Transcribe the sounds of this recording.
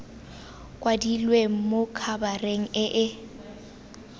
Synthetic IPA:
kʼwadilweŋ̩mokʰabareŋ̩ɪʔɪ

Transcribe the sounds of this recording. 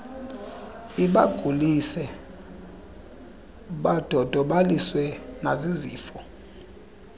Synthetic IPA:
iɓaɡ̥ʱulisɛ | ɓad̥ʱɔd̥ʱɔɓaliswɛnaziziːfɔ

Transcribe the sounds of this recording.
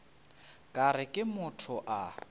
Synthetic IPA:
kʼaɾɪkʼɪmʊtʰʊʔa

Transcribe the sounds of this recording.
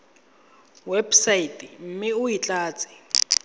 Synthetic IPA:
wɛbsaitʼim̩miujit͡ɬʼaːt͡sʼi̥

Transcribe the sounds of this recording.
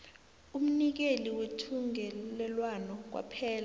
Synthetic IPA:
um̩nik̬eliwetʰuŋɛlɛlwanɔk̬wa̰pʰɛːla

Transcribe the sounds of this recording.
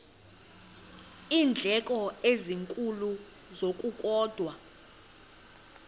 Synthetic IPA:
iːnd͡ɮʱɛkʼɔeziŋkʼulu | zokʼukʼɔːd̥ʱwa

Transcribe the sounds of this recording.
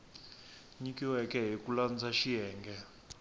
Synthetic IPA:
ɲikʼiwɛkʼɛɦikuland͡zaʃiɦɛːŋɡɛ

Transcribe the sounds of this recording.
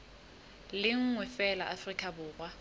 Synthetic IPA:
lɪŋ̩ŋwɛfɛla̰ʔafrikʼabʊːɣwa

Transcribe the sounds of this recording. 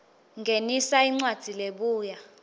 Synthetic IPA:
ŋɡʱenisaiŋ͡ǀwad̥ʱileɓuːja

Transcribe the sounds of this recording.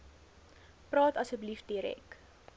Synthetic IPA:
prɑːtɐsəbəlifdiəɾɛ̰k

